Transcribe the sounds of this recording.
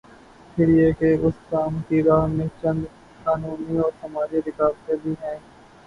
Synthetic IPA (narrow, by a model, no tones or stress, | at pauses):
pʰɪɾɪekeʊskaːmkiɾaːɦmẽt͡ʃɐ̃nd̪ | xaːnuːniɔːɾsɐmaːd͡ʒiɾɪkaːɾsebʱiɦɛ̃ː